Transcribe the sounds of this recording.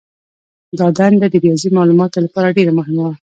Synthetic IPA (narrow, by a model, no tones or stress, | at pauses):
ɡ̪ɑd̪and̪ad̪əɾijɑzimɑlumɑt̪olapɑɾaɖeɾamʊɦɪmawa